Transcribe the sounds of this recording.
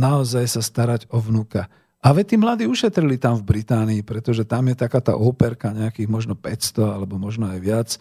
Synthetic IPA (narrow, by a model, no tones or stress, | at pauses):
naɔzajsast̪aɾaɟɔʋnukɛ | ʔaʋɛt̪iːmlad̪iːuʃɛt̪ɾilit̪amvbɾit̪aːniipɾɛt̪ɔʒɛt̪amjɛt̪akaːt̪a̰ːʔɔpɛɾkaɲɛakiːɣmɔʒnɔpɛcst̪ɔalɛbɔmɔʒnɔajʋɪat͡s